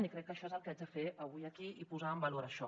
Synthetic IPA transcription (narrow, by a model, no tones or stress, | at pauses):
nikɾɛkːəʃɔezəlˠkad͡ʒðəfeʔɐβujəkiipuzaəmbəloɾəʃɔ